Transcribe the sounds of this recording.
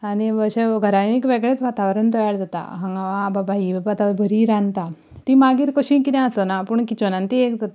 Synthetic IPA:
aniʋəɕeɡʱəɾajnikʋeɡɭet͡sʋat̪aʋəɾənt̪ɔjaɽd͡zat̪a̰ɦaŋɡaʋaːbabaɦibabat̪aʋbʱəɾiːɾãnt̪a | t̪imaɡiːɾkoɕĩkit̪ãəsənapuɳkit͡ɕonant̪iekd͡zat̪a

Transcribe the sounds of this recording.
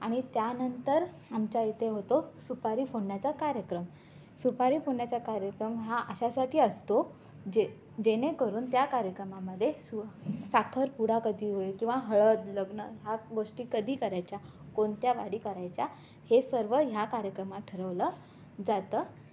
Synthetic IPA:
aɽ̃it̪janənt̪əɾ | amt͡ɕait̪eɦot̪osupaɾiːfoɳːjat͡sakaɾjəkɾəm | supaɾiːfoɳjat͡ɕakaɾjəkɾəmɦaʔəɕasaʈʰiːəst̪o | d͡ʑe | d͡ʑeñekəɾuːnt̪jakaɾjəkɾəmaməd̪ʱːjesusakʰəɾpuɽ̤akəd̪ʱiːɦojekĩw̃ʋaɦəɭət̪ləɡnəɦaɡoʂʈiːkəd̪ʱiːkəɾajt͡ɕja | koɳt̪jaʋaɽiːkəɾajt͡ɕja | hesəɾʋəɦjakaɾjəkɾəmaʈʰəɾəʋlə | d͡zat̪əː

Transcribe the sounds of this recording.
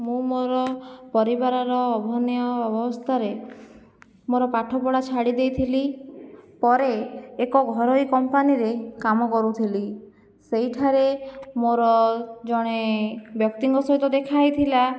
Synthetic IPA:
mũmoɾɔpɔɾibaɾɔɾɔːbʱɔnjɔɔbʱɔɔst̪ʰaɾe | moɾɔpaʈʰɔpɔɽat͡ʃʰaɽid̪ejt̪ʰili | pɔɾeːkɔɡʱɔɾɔikɔmpaniɾekamɔkɔɾut̪ʰili | seɦjʈʰaɾemoɾɔd͡ʒɔɽ̃ebjɔk̚t̪iŋɡɔsɔɦit̪ɔd̪ekʰajt̪ʰila

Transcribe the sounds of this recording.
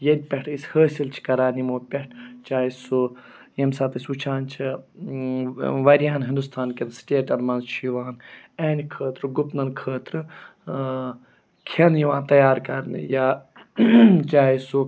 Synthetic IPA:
jed̪̚ʲpʲɐʈʰishəːsʲilt͡ʃʰi̥kɐɾaːnimoːpʲɛʈʰt͡ʃaːisu | jemsaːt̪ɐsʲut͡ʃʰaːnt͡ʃʰi | ʋɐɾjaːnɦind̪ust̪ʰaːnkensʈʲeːʈɐnmɐːnzt͡ʃʰjiʋaːnɛːnʲkʰəːt̪ɾɨɡupnɐnkʰəːt̪ɾɨ | kʰenjiʋãːnt̪ɐjaːɾkɐɾn̰jaː | t͡ʃaːisu

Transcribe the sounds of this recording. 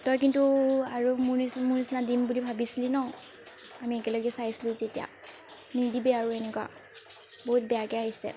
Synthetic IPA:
tɔjkintuaɹumunimunisinadimbulibʱabisilinɔ | amiɛkɛlɔɡɛsajsilʊ̃zetija̰nidibɛaɹuɛnɛkwa̰ | boɦut̚bɛjakɛaɦisɛ̰

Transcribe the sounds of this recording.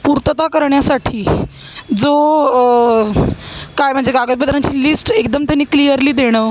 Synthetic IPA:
puɾt̪ət̪akəɾɳjasaʈʰiː | d͡zo | kajm̤əɳd͡zeɡaɡət̪bəd̪ɾaɲt͡ɕiːlisʈekd̪əmt̪janːiːklijəɾliːd̪eɽ̃əː

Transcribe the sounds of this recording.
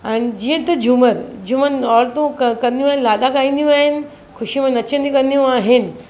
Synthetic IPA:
ɛːnɪ̆d͡ʑiːə̃t̪ɐd͡ʑuməɾd͡ʑumənɔːɾt̪ũkkɐ̃nd̪ijũaːɦɪ̃nɪlaːɗakaːĩːnd̪jũaːɦɪnɪ̆ | xʊʃimə̃nɐt͡ɕə̃nd̪ikɐ̃nd̪ijũaːɦɪnɪ̆

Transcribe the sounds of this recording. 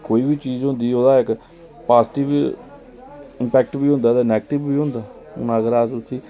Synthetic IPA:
koːiːbiːt͡ʃiːzɦʊ̃nd̪iːoːd̪aːɪk | paːzʈɪʋ | ɪmpɛːk̚ʈbiːɦʊ̃nd̪aːd̪anɛːɡʈɪbbiːɦʊ̃nd̪aː | ʊ̰naːɡəɾaːsʊt̪ʰːiː

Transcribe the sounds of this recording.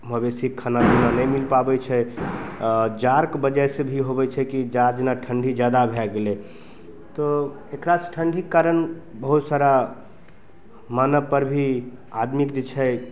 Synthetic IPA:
məbesikʰːanad͡ʒenanɛjmilpabɛt͡ʃʰɛ | d͡ʒaɾkbəd͡ʒajsebʱiɦobɛt͡ʃʰɛkid͡ʒaɾd͡ʒenaʈʰəɳɖʱid͡ʒjad̪abʱɛɡelɛ | t̪ɔ | ekɾasʈʰəɳɖʱikːaɾənbəɦut̪saɾa | manəpəɾbʱi | ad̪mikd͡ʒet͡ʃʰɛ

